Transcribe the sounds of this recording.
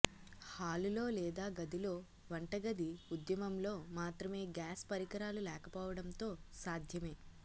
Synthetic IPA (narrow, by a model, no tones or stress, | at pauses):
haːlulo̞ːlɛːd̪aːɡɐd̪ilo̞ː | ʋɐɳʈɐɡɐd̪iud̪jɐmɐmlo̞ːmaːt̪ɾɐme̞ːɡaːspɐɾikɐɾaːlulɛːkɐpɔːʋɐɽɐnt̪o̞ːsaːd̪ʱjɐme̞ː